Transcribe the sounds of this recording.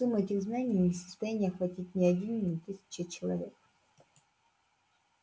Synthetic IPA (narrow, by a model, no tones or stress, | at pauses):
ɨmɛtʲɪɣznanʲɪjnʲɪsə̥st̪ɐjanʲɪjəxvɐtʲitʲnʲɪɐdʲinːʲɪt̪ʲesʲɪ̥t͡ɕɪt͡ɕɪlˠɐvʲek̚